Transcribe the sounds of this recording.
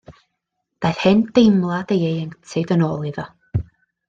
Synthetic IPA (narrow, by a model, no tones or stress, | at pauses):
d̪̥ajθhɪnd̥ejmlˠad̥̪ejejəŋtʰɪðənɔːlˠiðɔ